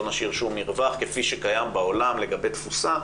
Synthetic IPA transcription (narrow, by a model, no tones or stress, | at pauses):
naʃiʁʃumiʁvaχkefiʃekajambaolamle̞ɡabet̪fusa